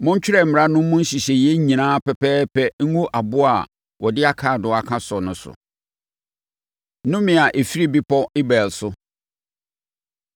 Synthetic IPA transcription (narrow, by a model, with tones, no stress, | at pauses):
mʊ̃˦ɲ˦t͡ɕᶣɪ˦ɾɛ˨m̩˨mɪ̃˨ɾa˦nʊ̃˦m˦mʊ̃˦n̩˦ɕi˨ɕɛ˨jɛ˦ɲĩ˨nãː˦pɛ˨pɛː˦pʰɛ˦ŋ̩˦ŋũ˦ʔa˨bʊ˦a˨ | wɔ˨dɪ˦a˦kʰaː˨dʊ˨a˨kʰã˦sɔ˨nʊ̃˨˦sʊ̰˨˦ | nʊ̃˦mɪ̃˨a˨ʔe˨fi˦ɾi˦bi˦pʰɔ˦ɪ˦bɛː˨lsʊ˦